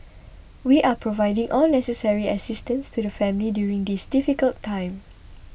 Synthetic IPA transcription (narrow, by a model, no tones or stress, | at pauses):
wiʔapʰɹovaɪdĩŋʔɔlnɛsəsɛɹiəsistə̃nstudəfɛ̃mlidjuɹĩŋdisdifikəltʰːãɪ̃m